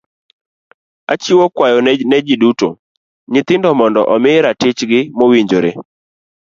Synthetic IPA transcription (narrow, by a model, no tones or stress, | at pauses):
at͡ʃiwokwajɔnnɛd͡ʒiduto̰ | ɲɪt̪ɪndɔmɔndɔ̰ʔɔmɪɾatɪt͡ʃɡɪmowiɲd͡ʒoɾḛ